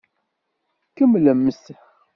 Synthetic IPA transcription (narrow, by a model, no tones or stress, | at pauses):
kəmləmːəs